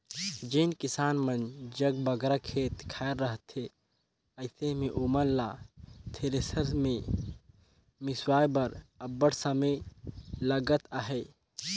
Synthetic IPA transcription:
d͡ʒenkɪsaːnmənd͡ʒəɡbəɡɾakʰeːt̪kʰaːɾːəɦt̪e | əɪsemẽʔumənlaːt̪ʰeɾesəɾzmẽ | mɪswaːjbəɾəbəɽsəməjləɡət̪aɦeː

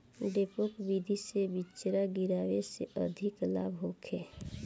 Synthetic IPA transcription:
ɖepokbid̪ʱisebɪt͡ʃɾaɡɪɾaːʋeseʔəd̪ʱɪkla̰ːbɦoːkʰeː

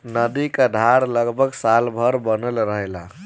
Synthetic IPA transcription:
nəd̪ikad̪ʱaɾləɡbʱəɡsalbʱəɾbənəlɾəɦela

